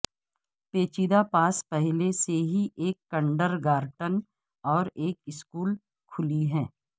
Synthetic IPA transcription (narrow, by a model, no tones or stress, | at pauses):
peːt͡ʃiːd̪apaːspɛɦleseɦiʔeːkːə̃ɳɖəɾɡaːɾʈən | ɔːɾeːkɪskuːl | kʰʊliɦɛ̃ː